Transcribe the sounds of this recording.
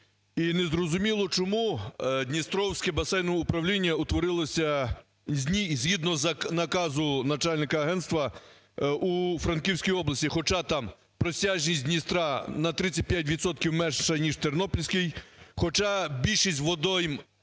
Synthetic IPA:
inezɾɔzʊmʲilˠɔt͡ʃɔmud̪ʲnʲist̪ɾɔwsʲkɛbɐsɛjnɔʊpɾɐwlʲinʲːɐʊt̪ʋɔɾɪlˠɐsʲɐ | izʲɦid̪nɔznɐkɑzʊnɐt͡ʃalʲnɪkɐɐɦɛnt̪st̪ʋɐ | ufɾɐnkʲiwsʲkʲijɔblˠɐsʲtʲixɔt͡ʃɑt̪ɑm | pɾɔsʲaʒnʲisʲdʲnʲist̪ɾɑnɐt̪ɾɪt͡sʲɐt̚ʲpʲjat̬ʲʋʲid̪t̪sɔt̪̚kʲiwmɛnɐnʲiʒt͡ʃernɔpɔlʲsʲkɪjxɔt͡ʃɑbʲilʲʃisʲtʲʋɔd̪ɔjɪm

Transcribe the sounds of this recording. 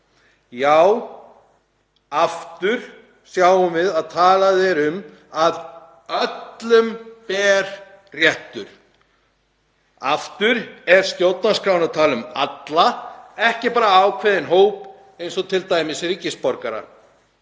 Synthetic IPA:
jaːw | aft̪ʏɾ̥ | sjawʏmvɪðaðt̪ʰaːlaðɛɾʏm | að | œt̪lʏmpɛːɾ̥ | rjɛht̪ʏɾ̥ | aft̪ʏɾɛɾ̥st̪jowt̪naskɾawnat̪ʰaːlʏma̰t̪laɛhcɪpaːɾaawkʰvɛːðɪnɦoːwp | ejnsɔt̪ʰɪlt̪aːjmɪsɾicɪspɔɾkaɾa̰

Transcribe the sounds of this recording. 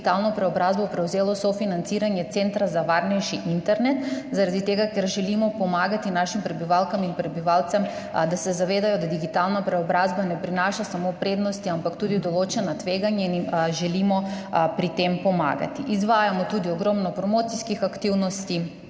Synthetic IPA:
t̪alˠnɔpɾɛɔbɾazbɔpɾɛuzɛlˠɔsɔfinant̪siɾaɲɛt̪sɛnt̪ɾazavaɾnɛʃiʔint̪ɛɾnɛt̪zaɾad̪it̪ɛɡakɛɾʒɛlimɔpɔmaɡat̪inaʃimpɾɛbivalˠkamipɾɛbivalˠt̪sɛm | d̪asɛzavɛd̪ajɔd̪d̪iɡit̪alˠnapɾɛɔbɾazbanɛpɾinaʃasamɔpɾɛd̪nɔst̪iampakt̪ud̪id̪ɔlˠɔt͡ʃɛnat̪vɛɡaɲɛniʒɛlimɔpɾit̪ɛmpɔma̰ɡa̰t̪iʔizvajamɔt̪ud̪iɔɡɾɔmnapɾɔmɔt̪siskixakt̪ivnɔst̪i

